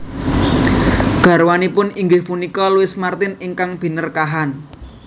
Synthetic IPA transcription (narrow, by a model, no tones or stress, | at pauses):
ɡ̥a̤ɾwanipʊniŋɡɪhfunikɔluwɪsmart̪ɪnɪŋkaŋb̥i̤nərkaɦan